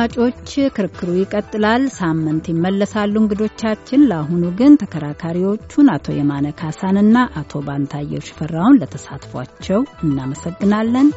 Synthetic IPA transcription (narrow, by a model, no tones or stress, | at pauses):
at͡ʃʼo̞t͡ʃːkʰɨɾɨkːɨɾujɪkʼət̪ʼːɨlalsamːɨnt̪jɪmːəlːəsalːuŋɡɨd̪o̞t͡ʃːat͡ʃːɪnlaɦunuɡɨnt̪ʰəkʰəɾakʰaɾiwo̞t͡ʃːunat̪ʰo̞̰jɛmanəkʰasanɨnːaʔat̪ʰo̞bant̪ʰajːɛ̰wʃɪ̥fərːawunlət̪ʰəsa̰t̪fa̰t͡ʃːɛwɨnːaməsəɡːɨnalːən